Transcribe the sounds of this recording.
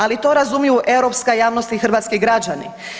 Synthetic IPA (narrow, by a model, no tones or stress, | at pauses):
alit̪o̞ːɾazumijuʔe̞wɾo̞pskajaːʋnost̪ixr̩ʋat̪skiɡɾad͡ʑanḭ